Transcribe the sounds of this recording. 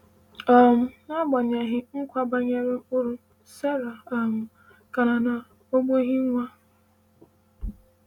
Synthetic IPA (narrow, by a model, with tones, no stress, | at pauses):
a˨mʊ˨nɔ˦ɡ͡ba˨ɲe˨ɦɪ˦ŋ̩˦kʷa˦ba˦ɲe˦ɾɪ˦ʊ˦ɾu˦ | se˦ɾa˨a˨mʊ˨ | ka˨na˨na˨ | o˦ɡ͡bo˦ɦi˦ŋʷa˦